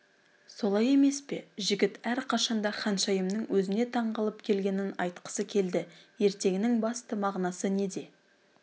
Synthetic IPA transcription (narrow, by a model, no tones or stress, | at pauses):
so̞lˠɑje̞me̞spe̞ʒɪɡʲɪt̪æɾqʰɑʃɑnd̪ɑχɑnʃɑjəmnəŋwɵzɪne̞t̪ʰɑɴʁɑlˠəpkʲʰe̞lɡʲe̞nɪnɑ̰jt̪qə̥səkʲʰe̞ld̪ɪje̞ɾt̪e̞ɡʲɪnɪŋbɑst̪əmɑʁnɑsəne̞d̪e̞